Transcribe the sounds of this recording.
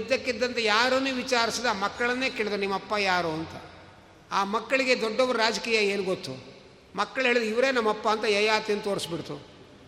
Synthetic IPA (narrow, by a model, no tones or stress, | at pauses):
d̪jɐkːid̪ːɐnt̪ɐjaːɾunuʋit͡ʃaːɾisid̪amɐkːɐɭɐnːe̞ːkeːɭd̪nimːɐpːɐjaːɾuɐnt̪ɐ | aːmɐkːɐɭiɡe̞d̪ɔɖːɔbɐɾuɾaːd͡ʒɐkiːjɐe̞ːnuɡot̪ːu | mɐkːɐɭɦeːɭid̪uiʋɐɾe̞ːnɐmːɐpːɐːnt̪ɐjɐjaːt̪inut̪oːɾisbiɽt̪u